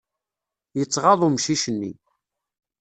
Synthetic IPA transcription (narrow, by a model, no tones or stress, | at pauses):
jət͡sːʁɑðˤumʃiʃənːḭ